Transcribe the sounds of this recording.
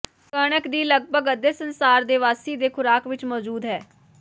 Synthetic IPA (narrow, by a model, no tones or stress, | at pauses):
kəɽəkd̪iːləɡ̚bʱəɡəd̪eːsənsaːɾd̪eːʋaːsiːd̪eːkʰʊɾaːkʋɪt͡ʃmɔːd͡ʒuːd̪ɦɛː